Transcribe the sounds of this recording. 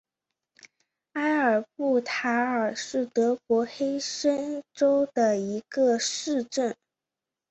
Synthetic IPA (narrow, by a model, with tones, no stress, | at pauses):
a˥ɪə˞˨˩pu˥˩t̪ʰa˧˥ə˞˨˩ʂɻ̩˥˩t̪ɤ˧˥kwɔ˧˥xe˥ɪʂə˥nʈ͡ʂo˥ʊd̪ə˨i˧˥ɡə˧ʂɻ̩˥˧ʈ͡ʂə˥˩n